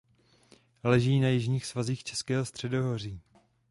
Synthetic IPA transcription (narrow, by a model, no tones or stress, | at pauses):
lɛʒiːnajɪʒɲiːxsvaziːxt͡ʃɛskɛːɦost̪r̝̥ɛdoɦoriː